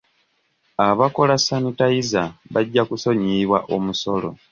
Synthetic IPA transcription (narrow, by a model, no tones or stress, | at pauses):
aβako̞lasanitajizaβaɟːakuso̞ɲiβwaʔomuso̞lo̞̰